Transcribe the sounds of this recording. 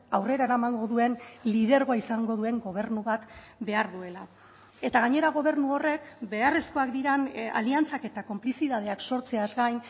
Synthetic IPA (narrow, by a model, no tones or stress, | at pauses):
awre̞ɾaeɾamaŋɡo̞ðue̞nlið̞e̞ɾɣoaisaŋɡo̞ð̞ue̞ŋɡo̞β̞e̞ɾnuβat̪ | be̞aɾðue̞la | e̞t̪aɣ̞aɲe̞ɾaɣ̞o̞β̞e̞ɾnuo̞re̞kbe̞aresko̞akd̪iɾana̰liant͡sake̞t̪ako̞mplisiðað̞e̞akso̞ɾt͡se̞azɡajn